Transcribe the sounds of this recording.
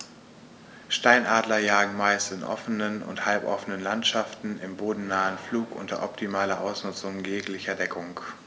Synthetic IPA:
ʃtaɪnʔaːdlɐjaːɡŋ̩maɪstɪnʔɔ̰fənənʊ̰nthalpʔɔfənənlantʃaftn̩ʔɪmboːdn̩naːənfluːkʔʊ̰ntɐ̰ʔɔptʰimaːlɐʔaʊsnʊt͡sʊŋjeːklɪçɐdɛkʰʊŋk

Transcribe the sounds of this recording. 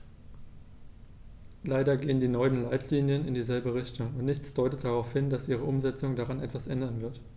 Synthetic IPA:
laɪdɐɡeːəndiːnɔʏənlaɪtʰliːnjənɪndiːzɛlbəʁ̞ɪçtʊŋʊntnɪçt͡sd̥ɔʏtət̚d̥aʁaʊfhɪndasʔiːʁ̞əʔʊmzɛt͡sʊŋdaʁanʔɛtv̥asʔɛndɐnvɪɐt

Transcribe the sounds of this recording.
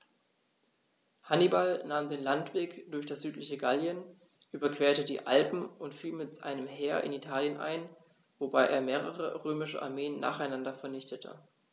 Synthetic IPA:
hanibalnaːmdeːnlantv̥eːkd̥ʊɐçd̥asz̥yːtlɪçəɡaljən | ʔyːbɐkv̥eːɐtədḭːʔa̰lpm̩ʊntfiːlmɪtʔa̰ɪnəmɦeːɐʔɪ̰nitʰaːljənʔa̰ɪn | vobaɪʔḛːɐmeːʁ̞ə̰ʁə̰ʁøːmɪʃə̰ʔa̰ɐmeːənːa̰ːχaɪnandɐfɛɐnɪçtətʰə̰

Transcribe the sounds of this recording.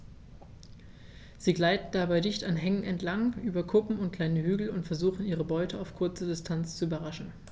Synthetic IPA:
z̥iːɡlaɪtn̩dabaɪdɪçtanɦɛŋənɛntʰlaŋʔyːbɐkʰʊpm̩ʊntkl̥aɪnəhyːɡl̩ʊntfɛɐzuːχn̩iːʁ̞əbɔʏtʰəaʊfkʰʊɐt͡sədɪstʰant͡st͡suyːbɐʁaʃn̩

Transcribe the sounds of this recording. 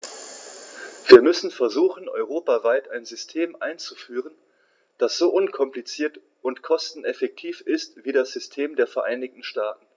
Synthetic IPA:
v̥iːɐmʏsn̩fɛɐzuːxn̩ʔɔ̰ʏʁoːpavaɪtaɪnzʏstʰeːmʔaɪnt͡sufyːʁən | d̥asz̥oːʔʊnkʰɔmplit͡siːɐt | ʊntkʰɔstn̩ɛfɛk̚tʰiːfɪstv̥iːdasz̥ʏstʰeːmdeːɐfɛɐʔaɪnɪk̚tn̩ʃtaːtn̩

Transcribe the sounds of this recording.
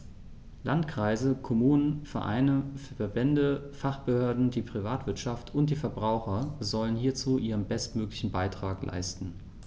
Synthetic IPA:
lʔantkʁ̥aɪzəkʰɔmuːnənfɛɐʔa̰ɪnəfɛɐbɛndəfaχb̥əhøːɐdn̩diːpʁ̥ivaːtv̥ɪɐtʃaftʰʊnt̚d̥iːfɛɐbʁaʊxɐzɔlənɦiːɐt͡suːʔiːʁ̞ənbɛstmøːklɪçn̩baɪtʁ̥aːklʔa̰ɪstn̩

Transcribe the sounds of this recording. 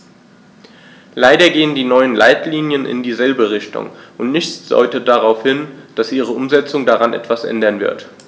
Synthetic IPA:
laɪdɐɡeːəndiːnɔʏənlʔaɪtliːnjənʔɪ̰ndiːzɛlbəʁɪçtʊ̰ŋʔʊntnɪçt͡sd̥ɔ̰ʏtəd̥aʁaʊfhɪnd̥asʔiːʁ̞əʔʊmzɛt͡sʊŋdaʁanʔɛ̰tv̥asʔɛ̰ndɐnvɪ̰ɐt

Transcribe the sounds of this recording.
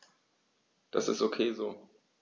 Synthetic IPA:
d̥asɪ̰stʔokʰeːzoː

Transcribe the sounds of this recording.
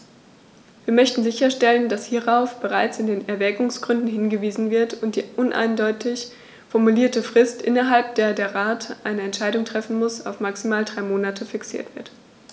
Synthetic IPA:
viːɐmœçtn̩zɪçɐʃtɛləndashiːʁaʊfb̥əʁaɪt͡sɪndeːnɛɐvɛːɡʊŋsɡ̥ʁʏndn̩hɪnɡəviːzn̩vɪɐtʊnt̚d̥iːʔʊnʔa̰ɪndɔʏtʰɪç | fɔɐmuliːɐtəfʁ̥ɪstʔɪ̰nɐɦalp̚d̥eːɐdeːɐʁaːtʔaɪnəɛntʃaɪdʊŋtʁ̥ɛfn̩mʊsa̰ʊfmaksimaːldʁaɪmoːnatʰəfɪksḭːɐtv̥ɪɐt

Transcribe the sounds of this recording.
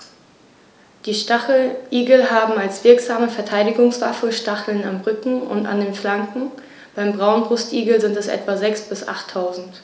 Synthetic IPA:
d̥iːʃaʔiːɡl̩ɦaːbm̩alsv̥ɪɐkz̥aːməfɛɐtʰaɪdɪɡʊŋsv̥a̰fəʃtaχl̩namʁʏkŋ̩ʊ̰nta̰ndeːnflaŋkŋ̩ | b̥aɪmbʁaʊnbʁʊstʔiːɡl̩zɪntɛsʔɛ̰tv̥azɛksb̥ɪsʔa̰χtʰːaʊzn̩t

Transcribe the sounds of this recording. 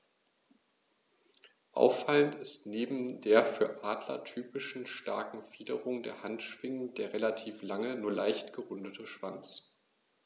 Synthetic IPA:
ʔa̰ʊfaləntɪstneːbm̩deːɐfyːɐʔaːdlɐ̰tʰyːpɪʃn̩ʃtaɐkŋ̩fiːdəʁʊŋdḛːɐhantʃv̥ɪŋən̩d̥eːɐʁelatʰiːflaŋənuːɐlaɪçtɡ̥əʁʊndətʰəʃv̥a̰nt͡s

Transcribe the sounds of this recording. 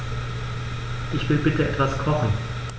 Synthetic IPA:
ʔɪçv̥ɪlbɪtəʔɛtv̥askʰɔχn̩

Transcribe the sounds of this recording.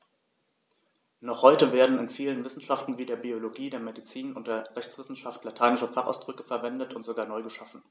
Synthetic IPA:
nɔχhɔʏtəveːɐdn̩ɪnfiːlənvɪsn̩ʃaftn̩viːdeːɐbioloɡiːdeːɐmedit͡siːnʊntd̥eːɐʁɛçt͡sv̥ɪsn̩ʃaftlatʰaɪnɪʃɐfaχʔa̰ʊsd̥ʁʏkəfɛɐvɛndətʊntz̥oɡaːɐnɔʏɡəʃafn̩

